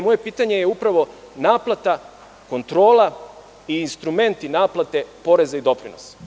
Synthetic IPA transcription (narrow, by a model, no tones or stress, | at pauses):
moje̞piːt̪aɲe̞jeupɾaʋo̞naːplˠat̪a | ko̞nt̪ɾo̞ːlˠa | iːnst̪ɾume̞nt̪inaːplˠat̪e̞po̞ɾe̞zaid̪o̞pɾinos